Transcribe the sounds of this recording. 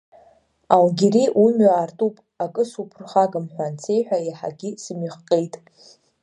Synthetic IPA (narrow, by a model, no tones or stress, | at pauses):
alɡʲeɾiʔumɥaːrtʼupʼ | akʼɨsupʰrχaɡɨmħᶣʷant͡sʰe̞jħʷᶣaiħa̰ɡʲisɨmiχqʼejtʼ